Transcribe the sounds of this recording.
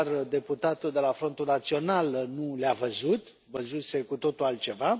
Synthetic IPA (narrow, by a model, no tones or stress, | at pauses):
rd̪e̞put̪at̪uld̪e̞lafɾo̞nt̪unat̪sio̞nalnuleavəzut̪ | vəzuse̞kut̪o̞t̪ulalt̪̚t͡ʃe̞va